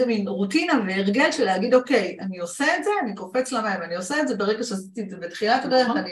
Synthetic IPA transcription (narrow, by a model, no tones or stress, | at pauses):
eminʁutinaveeʁɡe̞lʃelehaɡid̪o̞ke̞janioseetze̞aniko̞pet͡slamaimanioseetdze̞beʁeɡaʃeasi̥t̪ietzebetχilat̪aɡaeani